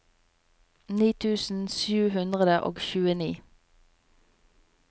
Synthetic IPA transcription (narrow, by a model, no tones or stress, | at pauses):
niːt̪ʰʉːsn̩sjʉːhʉnd̪ʁəd̪əʔo̰ːɡçʉːəniː